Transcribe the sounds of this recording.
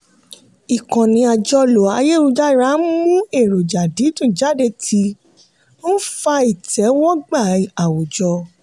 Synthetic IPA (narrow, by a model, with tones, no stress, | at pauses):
i˨kã˨nĩ˧a˧d͡ʒɔ˧lo˨a˧je˦˨ɾũ˧d͡ʒa˦i˦˨ɾa˨˦mũ˦e˦˨ɾo˨d͡ʒa˨di˨˦tũ˦˨d͡ʒa˦˨de˧tʰi˧˦ | fa˧i˦˨tʰɛ˨˦wɔ˦ɡ͡ba˦˨a˨wo˨d͡ʒɔ˧